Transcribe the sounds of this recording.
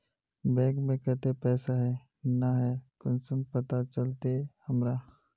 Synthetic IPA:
bɛ̃ːkmẽkət̪epɛːsaɦɛ | naɦɛkʊnsəmpət̪at͡ʃəlt̪ehəmɾa

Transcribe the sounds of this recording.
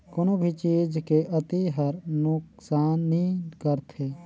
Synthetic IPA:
kənobʱit͡ʃiːd͡ʒkeʔət̪iɦəɾnʊksaːnːĩkəɾt̪ʰeː

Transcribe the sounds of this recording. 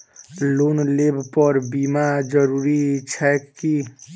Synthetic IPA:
lonlebpəɾbimad͡ʒəɾuɾit͡ʃʰɛki

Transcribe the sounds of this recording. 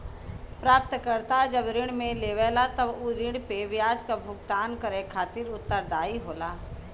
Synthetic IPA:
pɾaːp̚t̪kəɾt̪aɦɛd͡ʒəbɾɪɽ̃mẽleːʋɛːlat̪əbuɾɪɽ̃peʋɪjaːd͡ʒkabʱʊɡt̪aːnkəɾekʰaːt̪ɪɾʊt̪ːəɾd̪aːiɦoːlaː

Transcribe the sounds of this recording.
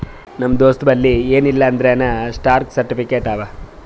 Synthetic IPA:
nɐmːd̪oːst̪bɐlːieːnilːɐːnd̪ɾenɐsʈaːɾksɐɾʈipʰikeːʈaːʋa

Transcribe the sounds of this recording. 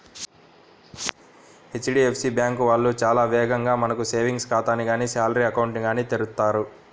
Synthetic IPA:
e̞t͡ʃːɖiːepʰsiːbjaːŋkuʋaːɭːut͡ʃaːlaːʋɛːɡɐŋɡaːmɐnɐkuse̞ːʋiŋɡskaːt̪aːniɡaːniːsaːlɾiɐkɐwuɳʈniɡaːniːt̪eɾut̪ːaːɾu

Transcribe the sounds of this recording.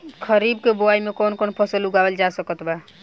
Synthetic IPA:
kʰəɾib̚keboaimekonkonpʰəsəluɡabəld͡ʒasəkət̪ba

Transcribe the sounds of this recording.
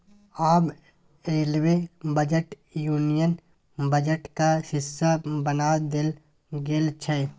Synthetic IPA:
aːb | eːlwebəd͡ʒəʈ | juːnijən | bəd͡ʒəʈkaʃɪsːabənaːd̪ɪl | ɡelt͡ʃʰɛ

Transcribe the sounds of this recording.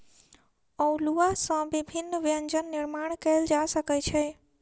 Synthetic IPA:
ɔ̃luasãbibʱɪnːʋjəɲd͡ʒənːɪɾmaɽ̃kəld͡ʒasəkət͡ʃʰɛ

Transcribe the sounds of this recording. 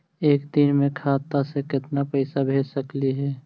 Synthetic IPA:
eːkd̪ɪnmẽkʰaːt̪asekɪt̪napəɪsabʱeːd͡ʒsəkliɦɛː

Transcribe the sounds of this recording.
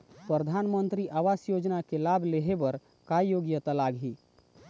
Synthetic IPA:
pɾəd̪ʱanmənt̪ɾiʔaʋasjod͡ʒnakelabʱleɦebəɾ | kajoɡjət̪alaɡɦi

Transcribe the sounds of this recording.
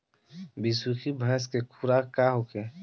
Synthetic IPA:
bisukʰibʱəɦskekʰuɾakaɦoke

